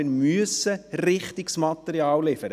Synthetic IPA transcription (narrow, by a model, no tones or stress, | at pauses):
ɪɾmyəsərɪχt̪ɪksmɑt̪əɾjɑːllɪfəɾə